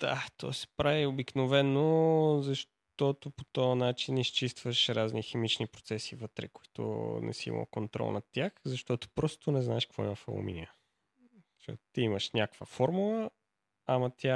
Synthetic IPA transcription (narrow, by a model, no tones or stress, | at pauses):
d̪̥a̰t̪ʰɔ̰sɛ̥pɾaviobiknovɛnozɐʃ | t̪ɔt̪opot̪ɔɐnat͡ʃinist͡ʃist̪vəʃɾaznixɛmit͡ʃnipɾo̥t̪sɛsivət̪ɾɛ̰kʊ̥i̥t̪ʊ̰nɛ̰siḭmʔɐ̰lˠkont̪ɾɔ̰lˠnɐt̪ʲaxzɐʃt̪ɔt̪o̥pɾɔst̪onɛznaɛʃkəkvɔiməfɛ̰lˠo̰mḭniə | ʃo̰t̪t̪iiməʃnʲakv̥əfɔɾmulˠəː | mɐt̪ʲja